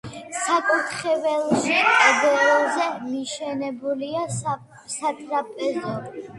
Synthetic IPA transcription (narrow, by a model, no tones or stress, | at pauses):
sakʼut̪ʰχɛvɛlˠʃitʼad̪ɛlˠzɛmiʃɛnɛbulia | sat̪ʼɾapʼɛzɔ